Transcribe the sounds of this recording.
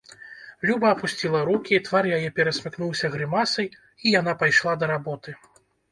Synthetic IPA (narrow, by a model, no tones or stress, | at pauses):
lʲubɐːpusʲt͡sʲilˠɐɾukʲit̪varjajɛpʲɛɾɐsʲmʲɨknuwsʲɐɣɾɨmasɐj | ijan̪apajʂlˠad̪ɐɾabɔt̪ɨ